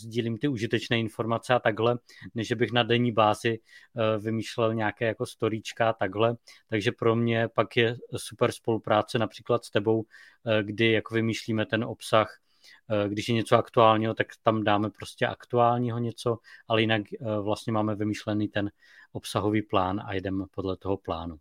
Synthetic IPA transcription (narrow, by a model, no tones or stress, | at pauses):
zɟiːliːmt̪ɪuʒɪt̪ɛt͡ʃnɛːɪnfo̞ɾmat͡sɛat̪aɡɦlɛnɛʒʒɛbɪxnadɛɲiːbaːzɪvɪmiːʃlɛlɲɛakɛːjako̞st̪o̞ɾiːt͡ʃkaat̪aɡɦlɛt̪aɡʒɛpɾo̞mɲɛpakjɛsupɛɾspo̞lupɾaːt͡sɛnapr̥iːklat̪st̪ɛbo̞w | ɡdɪjakovɪmiːʃliːmɛt̪ɛnʔopsax | ɡdɪʃjɛɲɛt͡soakt̪uaːlɲiːɦo̞t̪akt̪amdaːmɛpɾo̞scɛʔa̰kt̪uaːlɲiːɦo̞ɲɛt͡so̞ʔalɛjɪnakvlast̪ɲɛmaːmɛvɪmiʃlɛniːt̪ɛn | ʔo̞psaɦo̞viːplaːna̰jɛdɛmpodlɛt̪oɦo̞plaːnu